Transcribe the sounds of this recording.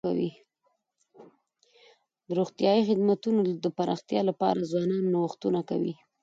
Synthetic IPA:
awi | d̪əɾoxt̪jɑjixɪd̪mat̪unod̪əpaɾɑ̰xt̪jɑlapɑ̰ɾazwɑnɑnːowuxt̪unaka̰wḭ

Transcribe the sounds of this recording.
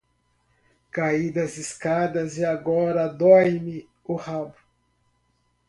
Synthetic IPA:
kaid̪ɐziskad̪ɐzɪaɡɔɾɐd̪ɔjmɪ | ʊhabʊ

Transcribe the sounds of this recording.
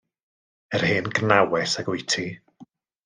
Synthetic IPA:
ɛr̥hɨːnɡnawɛsaɡwɪjtʰi

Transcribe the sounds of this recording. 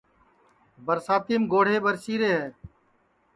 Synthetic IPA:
bəɾsaːt̪iːmɡoːɽ̤eːbəɾsiːɾeːɦɛː

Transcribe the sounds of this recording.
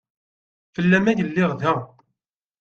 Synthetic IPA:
fəlːæmæjəlːɪʁðæ

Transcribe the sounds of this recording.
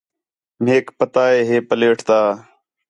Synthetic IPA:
m̤eːkpət̪aːeːɦeːpəleːʈʰt̪aː

